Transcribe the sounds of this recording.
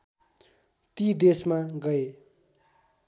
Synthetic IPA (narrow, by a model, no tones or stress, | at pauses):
t̪id̪esmaɡʌe